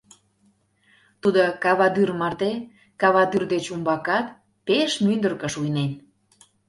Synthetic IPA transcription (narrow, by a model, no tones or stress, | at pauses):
t̪ud̪okɑβɑd̪yrmɑrd̪e | kɑβɑd̪yrd̪et͡ɕumbɑkɑt̪ | peʃmynd̪ərkə̆ʃujnen